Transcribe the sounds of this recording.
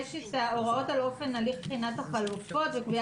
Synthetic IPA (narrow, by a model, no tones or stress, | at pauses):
ʃitaoʁotalo̞fe̞naliχχinat̪haχalufo̞tvekbi